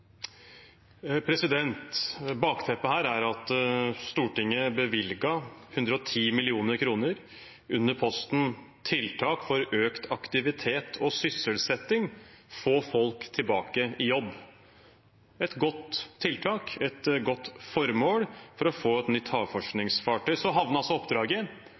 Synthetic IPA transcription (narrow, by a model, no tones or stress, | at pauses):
pʰɾɛsɪd̪ɛnt̪bɑːkt̪ʰɛpːəhæːɾæɾɑt̪st̪uːʈɪŋːəbəʋɪlɡɑhʉnd̪ɾəɔt̪ʰiːmɪlɪuːnəɾkʰɾuːnəɾ | ʉnːəɾpʰɔst̪n̩ | t̪ʰɪlt̪ʰɑːkfɔɾøːkt̪ʰɑkt̪ɪʋɪt̪ʰeːt̪ʰɔsʏsəlsɛt̪ːɪŋfoːfɔlkt̪ʰɪlbɑːkəɪjɔbː | ɛt̪ɡɔt̪ʰːɪlt̪ʰɑːkɛt̪ɡɔt̪ːfɔɾmoːɽfɔɾɔfoːɛt̪nʏt̪ːhɑːɡfɔʂknɪŋsfɑʈʰœʏsɔɦɑʋnəɑlsɔɔpd̪ɾɑːɡə